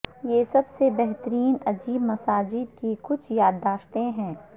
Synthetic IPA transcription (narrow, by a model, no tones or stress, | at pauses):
jesɐbsebɛɦt̪əɾiːnɐd͡ʒiːbmɐsaːd͡ʒɪd̪kikʊt͡ʃʰjaːd̪ːaːʃt̪ẽɦɛ̃ː